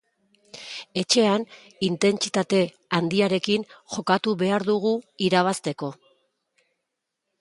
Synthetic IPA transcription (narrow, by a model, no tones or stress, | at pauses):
e̞t͡ʃe̞an | int̪e̞nt͡sit̪at̪e̞ | and̪iaɾe̞kinʝo̞kat̪uβe̞aɾðuɣ̞uiɾaβ̞ast̪e̞ko̞